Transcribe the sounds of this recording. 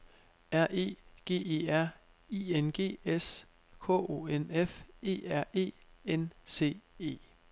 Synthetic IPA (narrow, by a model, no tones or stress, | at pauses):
æɐ̰ʔe̝̰ːɡ̥e̝̰ːe̝̰ːæɐ̰ | iːenɡ̥e̝̰ːes | kʰɔ̰o̝̰ːenefe̝̰ːæɐ̰ʔe̝̰ːense̝̰ːe̝̰ː